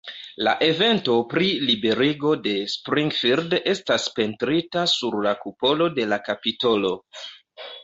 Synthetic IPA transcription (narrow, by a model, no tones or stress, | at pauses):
la̰ʔe̞ve̞nto̞pɾilibe̞ɾiɡo̞de̞spɾiŋɡfiɾde̞staspe̞ntɾitasuɾlakupo̞lo̞de̞lakapito̞lo̞